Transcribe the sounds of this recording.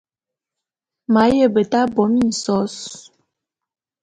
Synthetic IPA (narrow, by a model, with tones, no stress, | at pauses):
ma˨˦jə˦˨bə˨ta˦bɔ˨˦mi˦˨n̩˨sɔ˨˦s